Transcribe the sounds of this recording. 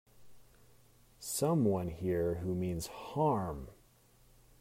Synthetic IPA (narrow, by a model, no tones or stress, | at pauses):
sʌ̃mwʌ̃nhiɹɦumĩnz̥hɑɹm